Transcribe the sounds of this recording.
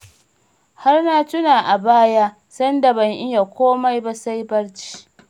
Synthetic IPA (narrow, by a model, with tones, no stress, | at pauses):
ha˦rna˦tʊ˦naː˨ʔa˨baː˦ja˦ | sɐ˦nda˨bɐ˨ŋʔɪ˦ja˨kʷoː˦ma˦jba˦sa˦jbɐ˦ɽt͡ʃi̥ː˦